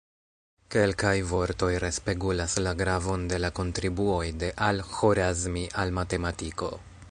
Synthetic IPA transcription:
ke̞lkajvo̞ɾto̞jɾe̞spe̞ɡulaslaɡɾavo̞nde̞lako̞ntɾibuo̞jde̞ʔalxoɾazmiʔalmate̞matiko̞̰

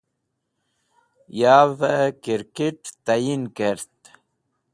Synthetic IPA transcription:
javəkiɾkeʈt̪ajinkeɾt̪

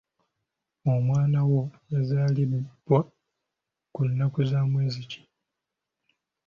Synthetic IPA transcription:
omwaːnawo̞ | ezaːlib̥wa | kunːakuzaːmweːzici̥

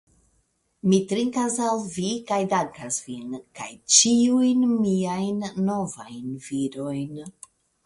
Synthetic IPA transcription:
mitɾiŋkasalvikajdaŋkasvinka̰jt͡ʃiujnmiajnːo̞va̰jnviɾo̞jn

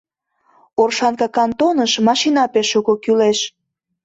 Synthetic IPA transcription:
orʃɑnkɑkɑnt̪onəʃmɑʃinɑpeʃuɣokyleʃ

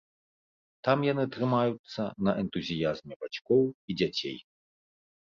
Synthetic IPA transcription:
t̪amjanɨt̪ɾɨmajut̪sːɐnɐʔɛnt̪uzʲijazmʲɛbat͡ʃkɔwid͡zʲat͡sʲḛj

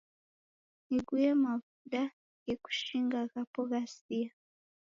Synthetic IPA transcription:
niɡujemavuda | jeku̥ʃiŋɡakapoɡasija

